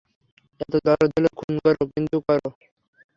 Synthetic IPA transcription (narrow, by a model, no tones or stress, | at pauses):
ɛt̪od̪ɔlod̪ʱolokʰunkɔɾokint̪ukɔɾo